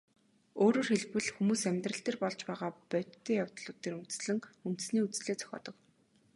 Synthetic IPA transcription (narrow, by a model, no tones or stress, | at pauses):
oːɾoːrxeɮpɘ̆ɮxumuːsæmʲt̪rə̆ɬt̪eːrpɔɮt͡ɕpæːʁaːpœtːeːjaw̥t̪ɮʊːt̪ːeːɾunt̪̆sɮɘ̆ŋun̥t̪̆sniːut͡sɮeːt͡sʰœ̥xʲɔ̰ːt̪ɞ̆k